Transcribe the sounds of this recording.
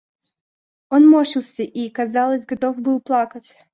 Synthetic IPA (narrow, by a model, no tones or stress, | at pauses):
onmoɕɪlˠsʲəʔikɐzɑlˠəzʲɡɐt̪o̞fbɨlˠplˠakətʲ